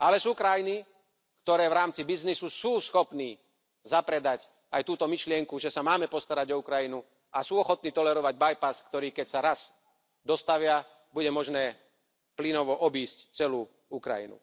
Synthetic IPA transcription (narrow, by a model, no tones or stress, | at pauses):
alɛsuːkɾajini | kt̪ɔɾɛːʋɾaːmt͡sibiznisusuːsxɔpniː | zapɾɛd̪ac | ajt̪uːt̪ɔmiʃlɪɛŋkuʒɛsamaːmɛpɔst̪aɾaɟɔukɾajinu | asuːɔxɔt̪̚niːt̪ɔlɛɾɔʋaɟ̚bajpaskt̪ɔɾiːkɛcsaɾaz | d̪ɔst̪aʋɪa | buɟɛmɔʒnɛː | plinɔʋɔʔɔbiːsct͡sɛluː | ukɾa̰jḭnṵ